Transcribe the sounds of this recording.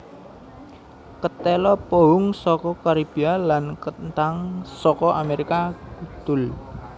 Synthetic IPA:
kət̪ɛlɔpoɦʊŋsɔkɔkaɾib̥ialankənt̪aŋsɔkɔʔameɾikakut̪ʊl

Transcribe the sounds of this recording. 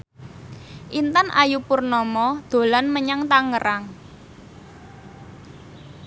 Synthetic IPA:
ʔint̪anajupʊrnɔmɔd̪̥o̤lanməɲaŋt̪aŋəɾaŋ

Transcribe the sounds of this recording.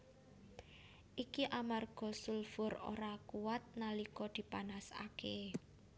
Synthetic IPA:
ʔikiʔamarɡ̥ɔ̤sulfʊro̰ɾakuwat̪̚nalikɔd̪̥i̤panasa̰ke

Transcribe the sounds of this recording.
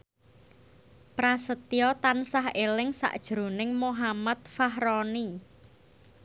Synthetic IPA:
pɾasət̪iɔt̪ansaɦelɪŋsa̰ʔd̥ʒ̥ɾo̤nɪŋmoɦamat̪̚faɦɾɔni

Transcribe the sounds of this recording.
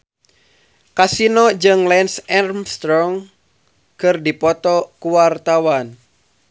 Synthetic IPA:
kasinɔd͡ʒɨŋlɛnsɛrmst̪ɾɔŋ | kɨrdipɔt̪ɔkuwart̪awan

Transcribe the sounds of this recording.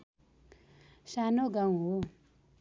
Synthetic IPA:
sanoɡaw̃ɦo

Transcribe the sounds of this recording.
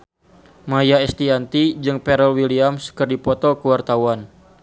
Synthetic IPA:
majaɛst̪iant̪id͡ʒɨŋpɛɾəlwiliamskərdipɔt̪ɔkəwart̪awan

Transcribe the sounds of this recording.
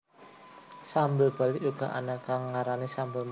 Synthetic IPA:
sambəlb̥a̤liʔuɡ̥a̤ʔa̰nakaŋːaɾanisambəlm

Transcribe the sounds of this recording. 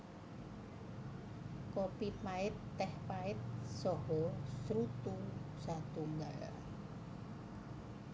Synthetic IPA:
kɔpimaɪt̪ːɛhpaɪt̪̚sɔhɔsɾut̪usat̪uŋɡa̰

